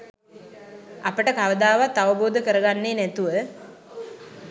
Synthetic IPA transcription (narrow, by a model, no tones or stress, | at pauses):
apəʈəkaʋəd̪aːʋat̪ːaʋəboːd̪əkəɾəɡanːeːnæt̪uʋə